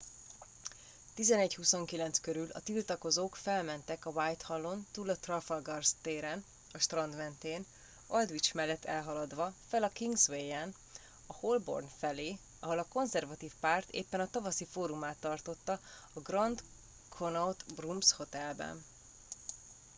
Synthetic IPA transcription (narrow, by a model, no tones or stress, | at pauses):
t̪izɛnɛchusoŋkilɛnt̪skøɾylɒ̰t̪ilt̪ɒko̞zoːkfɛlmɛnt̪ɛkɒvajt̪hɒlːont̪uːlɒt̪rɒfɒlɡɒrst̪eːɾɛn | ɒʃt̪rɒnd̪mɛnt̪eːn | old̪ʋit͡ʃmɛlːɛt̪ːɛlɦɒlɒd̪ʋɒfɛlɒkiŋɡzʋejɛn | ɒholbo̰rnfɛleː | ɒɦo̞lɒko̞nzɛrvɒt̪iːfpaːrt̪ḛːpːɛnɒt̪ɒvɒsifoːɾumaːt̪ːɒrt̪o̞t̪ːɒ | ɒɡrɒnd̪ | kʰonɒwt̪brumsho̞t̪ɛlbɛ̰n